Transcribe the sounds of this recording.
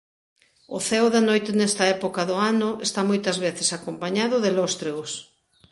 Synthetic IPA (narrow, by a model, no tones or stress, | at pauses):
ʊθɛwðanojt̪ɪnɛst̪ɐɛpokɐðʊanʊʔest̪amojt̪ɐzβ̞eθesakompaɲaðʊðelost̪ɾeɣos